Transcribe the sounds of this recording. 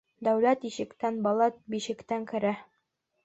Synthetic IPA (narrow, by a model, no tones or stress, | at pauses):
d̪æwlæt̪iʃɘ̆kt̪ænbɒlˠɑt̪̚biʃɘ̆kt̪æŋkɘ̆ɾæ